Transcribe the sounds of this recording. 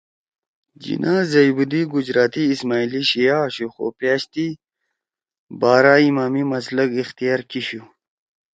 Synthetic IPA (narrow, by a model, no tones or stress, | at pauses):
d͡ʑḭnʔazɐjbud̪iɡud͡ʑɾaːt̪iːsmaːiliɕijaːɕuxo̰paːɕt̪i | baːɾaːimaːmimɐsləɡixt̪ijaːɾkiɕu